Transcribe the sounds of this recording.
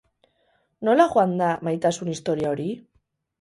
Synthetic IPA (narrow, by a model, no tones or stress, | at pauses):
no̞laʝoand̪amajt̪asunist̪o̞ɾiao̞ɾi